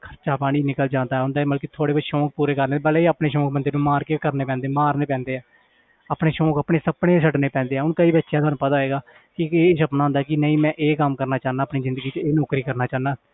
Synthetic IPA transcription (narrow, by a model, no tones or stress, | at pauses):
kʰəɾt͡ʃaːpaːɽ̃iːnɪkəld͡ʒãːnd̪aːɛːɦʊ̃nd̪aːməlkit̪ʰoːɽeːbəʃõːk̚puːɾeːkəɾneːbəleiːaːpɳeːʃõːk̚bənd̪eːnũːmaːɾkeːkəɾneːpɛ̃ːnd̪eːmaːɾneːpɛ̃ːnd̪eːɛː | aːpɳeːʃõːkəːpɳeːsəpɳeːsəʈneːpɛ̃ːnd̪eːɛːʊnkəiːbətːʃjãːt̪oaːnũːpət̪aːɦeːɡaː | kɪeːsəpnaːɦʊnd̪aːkɪnəĩːmɛ̃ːʔeːkəmkəɾnaːt͡ʃaːnãːəpniːzɪ̃nd̪əɡiːt͡ʃeːnɔːkɾiːkəɾnaːt͡ʃaːnãː